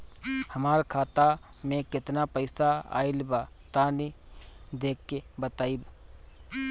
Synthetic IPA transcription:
həmaːɾkʰaːt̪a | mẽkɪt̪napəɪsaa̰ːɪlba | t̪anid̪eːkːebət̪aːib

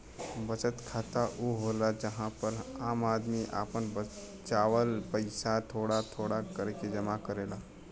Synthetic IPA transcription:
bət͡ʃət̪kʰaːt̪aʔuɦoːlad͡ʒɐɦãpəɾaːmaːd̪miʔa̰ːpənbə | t͡ʃaːwəlpəɪsat̪ʰoːɽat̪ʰoːɽakəɾked͡ʒɐmakəɾeːlaː

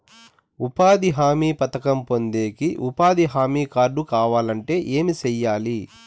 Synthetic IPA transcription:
upaːd̪iɦaːmiːpɐt̪ɐkɐmpo̞nd̪e̞ːkiʔupaːd̪iɦaːmiːkaːɾɖukaːʋaːlɐɳʈe̞ːʔeːmit͡ʃɛjːaːli

